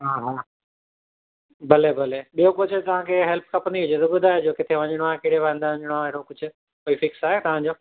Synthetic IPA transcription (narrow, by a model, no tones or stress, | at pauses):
ɦaːɦaː | bɐlebɐleɓijokʊt͡ɕʰət̪ɐʋ̤ãkʰeːɦɛlp̚kɐpə̃nd̪iɦʊd͡ʑet̪ɐbʊd̪ʱaːɦed͡ʑoːkɪt̪ʰeʋɐ̃ɲəɽ̃oaːekɪɽeʋãĩnd̪ãɲəɽ̃aeːɽokʊd͡ʑʱʊ̆ | koːifɪksaːɦet̪ɐʋ̤ãɲd͡ʑoː